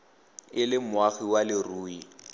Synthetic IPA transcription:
ɪlɪmwaɣiwalɪruːi

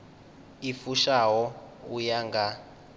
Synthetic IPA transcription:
ifuʃaɦɔujaŋɡa

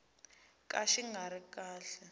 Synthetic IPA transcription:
kʼaʃiŋaɾikʼaːɬɛ

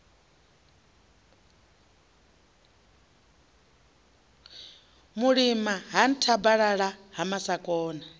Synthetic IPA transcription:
muɺimaɦan̩tʰabaɺaɺaɦamasakʼɔːna

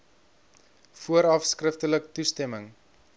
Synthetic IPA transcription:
fuəɾɐfskrəftələktustɛməŋ

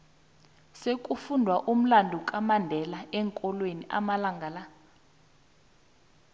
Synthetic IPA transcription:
sekʼufundʱwaʔum̩landʱukʼamandʱɛlaɛŋkʼɔlweniʔa̰malaŋɡʱala

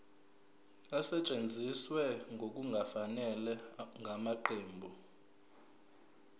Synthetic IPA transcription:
asɛt͡ʃʼend͡zʱiswɛŋɡʱok̬ʼuŋɡʱafanɛlɛŋɡʱamaǃʰeːmbʱɔ

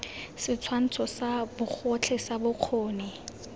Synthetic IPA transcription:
sɪt͡sʰwan̩t͡sʰɔsabʊk͡xʰɔt͡ɬʰɛsabʊq͡χʰoːnɪ

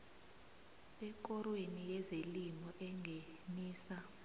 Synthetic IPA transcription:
ɛk̬ʼɔrwenijɛzelimɔʔɛŋʱeniːsa

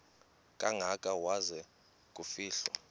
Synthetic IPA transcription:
kʼaŋʱakʼawazɛ | kʼufiːɬwɔ

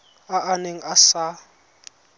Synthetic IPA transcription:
aʔaneŋ̩asa

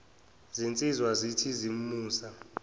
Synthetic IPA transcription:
zint͡sʼizwazitʰizim̩muːsa

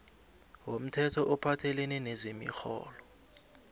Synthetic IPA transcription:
wom̩tʰɛtʰɔʔɔpʰatʰɛlɛnɛnezimḭxɔ̰ːlɔ

